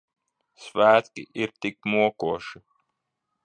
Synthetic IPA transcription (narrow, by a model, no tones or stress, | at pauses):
svæːt̪kʲḭʔiɾt̪ikmuɔkuɔʃi